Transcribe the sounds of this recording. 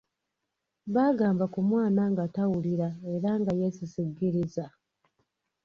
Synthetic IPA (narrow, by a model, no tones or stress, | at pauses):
βaːɡaːmbakumwaːnaŋɡatawuliɾae̞ɾaŋɡajesisiɡːiɾiza